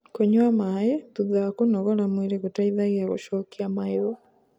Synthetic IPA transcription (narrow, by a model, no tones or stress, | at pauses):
koɲwamajetuðakonɔɣɔlamwiɾeɣutaiðaɣeaɣo̰ʃoːkiamaeɾo